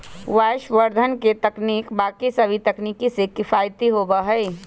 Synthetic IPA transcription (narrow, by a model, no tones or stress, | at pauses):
ʋaːʃʋəɾd̪ʱənket̪ɐkniːkbaːkisɐbʱit̪ɐkniːkisekɪfaːjt̪iɦoːbaɦɛː